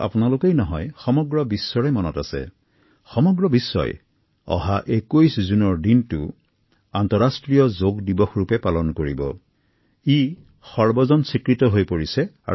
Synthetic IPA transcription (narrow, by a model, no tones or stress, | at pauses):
a̰pʊnalʊkejnɔɦɔjxɔmɔɡɹɔbisːɔɹɛmɔnɔtasɛ̰ | xɔmɔɡɹɔbisːɔ̰j | ɔ̰ɦaʔekujszunɔɹdintʊ | antɔɹastɹijɔzoɡdibɔxɹupɛpalɔnkoɹibɔ̰ | i | xɔɹbɔzɔnsikɹitɔɦojpoɹisɛ | a̰